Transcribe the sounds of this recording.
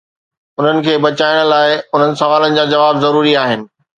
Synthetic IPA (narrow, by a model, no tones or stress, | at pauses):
ʊn̤ənɪ̆kʰeːbɐt͡ɕaːɪɽ̃laːɪʊn̤ənɪ̆sɐʋaːlənɪ̆d͡ʑaːd͡ʑɐʋaːbzɐɾuːɾiaːɦɪnɪ̆